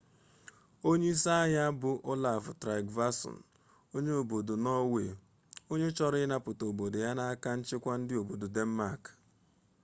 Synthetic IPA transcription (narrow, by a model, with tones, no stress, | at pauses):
o˦ɲe˦i˦sa˦ja˦bʊ˨ʔo˦la˨ftɾa˨ɡva˦sɔ̰˨n̩˨ | o˦ɲe˦o˨bo˨do˨nɔ˦we˨ | o˦ɲe˦t͡ʃɔ˦ɾɪ˦na˦pʊ˨to˨bo˨do˨ja˦na˦a˦ka˦n̩˦t͡ʃɪ˦kʷa˦n̩˦dɪ˦o˨bo˨do˨de˦m̩˦ma˦˨k